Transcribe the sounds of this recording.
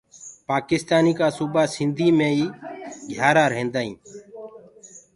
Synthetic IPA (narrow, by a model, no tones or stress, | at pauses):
paːkɪst̪aːniːkaːsuːbaːsɪnd̪ʱiːmẽːiːɡʱjaːɾaːɾɦẽːnd̪aːḭ̃ː